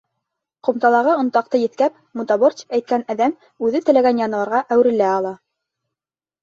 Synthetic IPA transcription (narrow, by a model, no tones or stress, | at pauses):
qŏmt̪ɑlˠɑʁɤŏnt̪ɑq̚t̪ɤjɘ̆t̪kæp̚mut̪ɑbort̪ʲæjt̪̚kænæðæm | ʉðɘt̪ɘ̆læɡænjɑnɤ̆wɑɾʁɑʔæwɾɘ̆læɑlˠɑ